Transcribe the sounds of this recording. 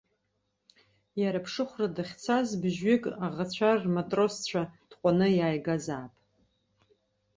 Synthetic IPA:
jaɾapʰʂɨχʷradaχʲt͡sʰazbʒɥɪkʼaʁat͡ɕʷʰarmatʼro̞st͡ɕʷʰad̥qʷʼanɨjaːjɡazaːpʼ

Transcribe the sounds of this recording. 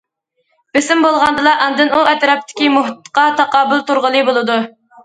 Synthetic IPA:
b̥ɪsɪmbolˠʁɑnd̪ɨlˠɑʔɑnd̪ɨnuɛt̪ɾɑp̚t̪ʰɪ̥kʲimʊɦt̪ːqɑt̪ʰɑqɑːbʊlˠt̪uɾʁəlˠɨbolˠɨd̪u

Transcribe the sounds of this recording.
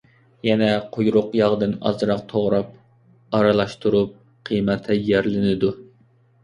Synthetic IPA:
jɛnɛqʰojɾʊqjɑʁd̪ɨnɑ̰zɨɾɑq̚t̪ʰoʁɾɑp̚ | ɑɾɨlˠɑʃt̪ʰuɾup̚ | qʰijmɛt̪ʰɛjɛɾlɪnɪd̪u

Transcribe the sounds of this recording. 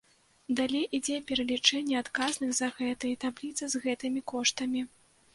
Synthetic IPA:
d̪alʲejʔid͡zʲɛpʲɛɾɐlʲit͡ʂɛnʲːɛat̪kaznɨxzɐɣɛt̪ɨjɛt̪ablʲit̪sɨzɣɛt̪ɨmʲikɔʂt̪ɐmʲi

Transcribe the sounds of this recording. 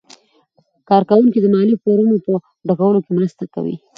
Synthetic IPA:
kɑɾkawuŋkid̪əmɑlifoɾunopə | ɖaɣawəlokemɾəst̪aka̰wḭ

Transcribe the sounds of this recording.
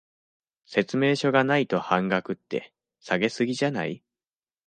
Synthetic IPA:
se̞t͡sɨme̞ːɕo̞ɡanait̪o̞hãŋɡakɯ̟t̪ːe̞̰ | saɡe̞sɨɡʲiʑana̰i

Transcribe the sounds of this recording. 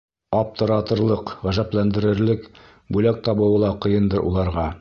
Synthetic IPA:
ɑp̚t̪ɤ̆ɾɑt̪ɤ̆ɾlˠɤqʁæʒæplænd̪ɘ̆ɾɘ̆ɾlɘk | bʉlæk̚t̪ɑβɤ̆wɤ̆lˠɑqɤ̆jɤnd̪ɤɾʔṵlˠɑɾʁɑ

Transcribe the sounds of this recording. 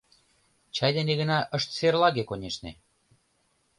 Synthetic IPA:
t͡ɕɑjd̪eneɣə̆nɑʔəʃt̪serlɑɣekonʲeʃnḛ

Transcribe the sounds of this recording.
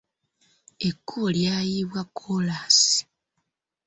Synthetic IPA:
e̞kːuljaːjiβwakʰːolasi̥

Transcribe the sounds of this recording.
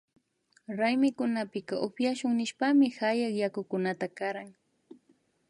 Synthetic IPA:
ɾajmɪkʊnapɪkaʔopjaʃʊŋnɪʃpamɪhajakjakʊkʊnat̪akaɾaŋ

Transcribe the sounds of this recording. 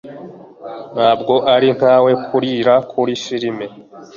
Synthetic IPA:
n̥aːbɡo̞ʔaɾin̥haːwe̞kʰuɾiːɾakʰuɾifiɾime̞

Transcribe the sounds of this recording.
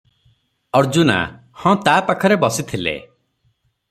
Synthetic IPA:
ɔɾd͡ʒuna̰ | hɔ̃t̪apakʰɔɾebɔsit̪ʰilḛ

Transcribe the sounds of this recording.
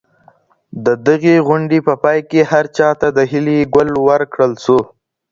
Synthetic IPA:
d̪əd̪əɣeɣʊɳɖepəpɑjkehaɾt͡ʃɑt̪ad̪əɦɪliɡʊlwəɾkɽəlsu

